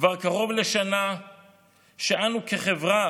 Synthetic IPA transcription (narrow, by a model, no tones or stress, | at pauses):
vaʁkaʁo̞vleʃana | ʃeʔanukeχevʁa